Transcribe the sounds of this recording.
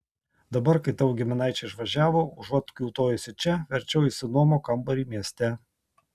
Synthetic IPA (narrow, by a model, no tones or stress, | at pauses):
d̪ɐbɐɾkɐɪt̪ɑʋʊɡʲɪmʲɪnɑˑɪt͡ʃʲɛɪʃʋɐʒʲæːʋoːʊʒɐt̪kʲuːt̪oːjɪsʲɪt͡ʃʲɛʋʲɛɾʲt͡ʃʲɛʊisʲɪnuɔmoːkɐmbɐɾʲiːmʲiɛsʲt̪ʲæ